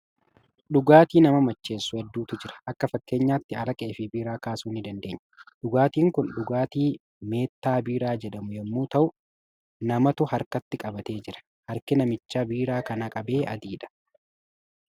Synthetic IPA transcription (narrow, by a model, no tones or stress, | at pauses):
ɗʊɡaːt̪iːnɐmɐmɐt͡ʃːe̞ːsːʊhɛd̪ːuːt̪ʊd͡ʒɪɾɐ̥ʔɐkːɐfɐkːe̞ːɲːaːt̪ːɪɐɾɐkʼeːfɪbiːɾaːkaːsuːnːɪd̪ɐnd̪e̞ːɲːɐᶑʊɡaːt̪iːŋkʊnɗʊɡaːt̪iː | me̞ːt̪ːaːbiːɾaːd͡ʒɛᶑɐmʊjɛmːuːt̪ɐʔʊ | nɐmɐt̪ʊhɐɾkɐt̪ːɪkʼɐbɐt̪e̞ːd͡ʒɪɾɐ̥ | hɐɾkɪnɐmɪt͡ʃːaːbiːɾaːkɐnaːkʼɐbe̞ːʔɐd̪iːᶑɐ̥